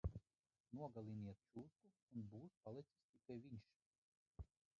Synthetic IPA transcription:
nuɔɡalˠiniɛt̪̚t͡ʃuːskuːnbuːspalˠɛt̪si̥st̪ikajviɲʲʃ

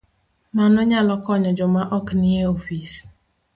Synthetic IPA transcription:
manɔɲalɔkɔɲɔd͡ʒɔmaʔɔknieofis

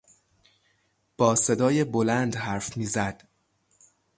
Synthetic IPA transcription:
b̥ɒːse̞d̪ɒːjebolænd̪hæɾfmiːzæd̪̥

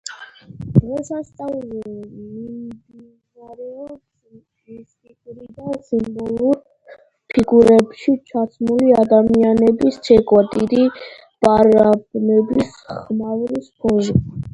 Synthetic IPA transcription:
d̪̥ʁɛsast̪sʼavzɛmmimd̪i | naɾɛɔs | iskʼikʼɾid̪asimbɔlˠuɾ | pʰiɡuɾɛbʃit͡ʃʰat̪sʰmuliad̪amianɛbist͡ʃʰɛkʼwat̪ʼiɾi | b̥aɾabnɛbis | χmavɾispʰɔzi

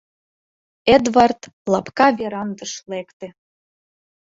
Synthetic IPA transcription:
ed̪vɑrt̪ | lɑpkɑβʲeɾɑnd̪ɤ̆ʃlekt̪ĕ

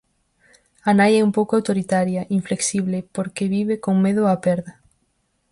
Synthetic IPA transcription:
anajɛumpowkoawt̪oɾit̪aɾjɐʔiɱfleksiβlepoɾkeβiβekoŋmeð̞ʊapɛɾðɐ

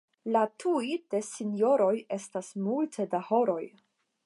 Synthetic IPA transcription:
latʰujd̥e̞sinjo̞ɾo̞je̞stasmultʰe̞daho̞ɾo̞j

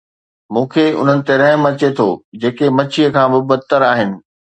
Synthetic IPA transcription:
mũːkʰeʊ̰n̤ənɪ̆t̪eɾɐ̃ɦmɐt͡ɕet̪ʰo̰ːd͡ʑeːkemɐt͡ɕʰijəkʰãːbɪbɐt̪əɾaːɦɪnɪ̆

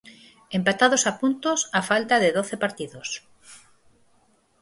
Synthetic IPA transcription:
empat̪að̞osapunt̪osafalt̪aðeðoθepaɾt̪iðos

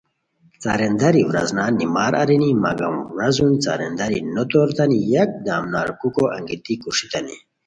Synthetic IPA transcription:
t͡sa̰ɾend̪ɐɾiwɾɐ̰znaːnimaːɾʔa̰ɾinimɐɡɐ̰mɾɐzunt͡sa̰ɾend̪ɐɾinot̪oɾt̪ɐnijɐk̚d̪aːmnaːɾkukoʔɐ̰ŋɡit̪ikuʂit̪ɐnḭ

